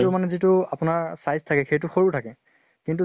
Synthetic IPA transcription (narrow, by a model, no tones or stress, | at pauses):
tʊmanɛzitʊapʊnaɹsajztʰakɛxejtʊxoɹutʰakɛ | kintu